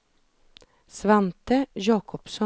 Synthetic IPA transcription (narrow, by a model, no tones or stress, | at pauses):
sʋɛnt̪əjɑːkʰɔpsɔ